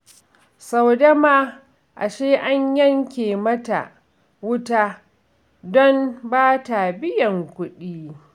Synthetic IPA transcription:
sɐ˨wdɐ˦maː˦ | ʔa̰˨ʃeː˦ʔa˦ɲjɐ˦ŋkʲeː˨mɐ˦ta̰˨ | wʊ˦taː˦ | dɔ˦nbaː˦ta˨bɪ˦jɐ˨ŋkʷʊ˦ɗiː˦

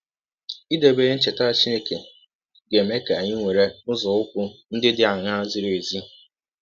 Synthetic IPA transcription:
i˦de˨be˦e˦n̩˦t͡ʃe˨ta˦t͡ʃi˦ne˨ke˨ | ɡe˨me˦ka˨ɲɪ˦ŋʷe˨ɾe˦ʊ˦zɔ˨ʊ˦kʷʊ˦n̩˦dɪ˦dɪ˦a˨ŋa˦zɪ˦ɾe˨zi˦

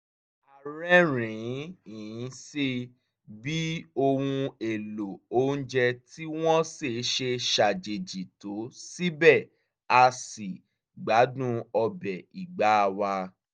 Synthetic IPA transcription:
a˨ɾɛ˦ɾĩ˨˦ĩ˨˦si˦ | bi˦o˧hũ˧e˨lo˨o˦n̩˦d͡ʒɛ˧ti˦w̃ɔ̃˦se˦˨˦ʃe˧ʃa˨d͡ʒe˨d͡ʒi˨to˨˦si˦bɛ˦˨ | a˧si˨ | ɡ͡ba˨˦dũ˦ɔ˧bɛ˨i˨ɡ͡ba˨˦˧wa˧

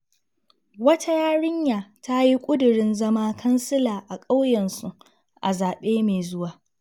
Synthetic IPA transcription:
wɐ˦tʰa˦jaː˦ɽɪ˦ɲjaː˨ta˦ji˦kʷʼʊ˦dʊ˨ɽɪ˦nzɐ˦maː˦kʰɐ˦nsɪ˦laː˨ʔa˨kʼa˦wjɛ˨nsu˨ | ʔa˨zaː˨ɓeː˦meː˨zʊ˦waː˨

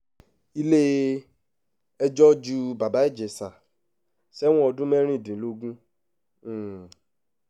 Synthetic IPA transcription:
i˦le˦ | ɛ˦d͡ʒɔ˦d͡ʒu˦ba˨ba˦e˦d͡ʒe˨sa˨ | sɛ˦wɔ̃˦ɔ˧dũ˦mɛ˦ɾ̃ĩ˦˨dĩ˨lo˦ɡũ˦˨

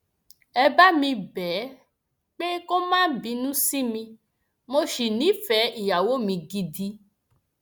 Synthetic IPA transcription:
ɛ˧ba˦mĩ˧bɛ˨˦ | k͡pe˦ko˦mãː˦bi˧˦nũ˦si˦mĩ˧ | mo˧ʃi˨nĩ˨˦fɛ˨˦i˨ja˨wo˦mĩ˧ɡi˧di˧˦

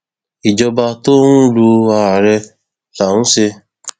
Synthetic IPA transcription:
i˨d͡ʒɔ˧ba˧to˦n̩˦lu˧a˨ɾɛ˧ | la˨n̩˦se˧

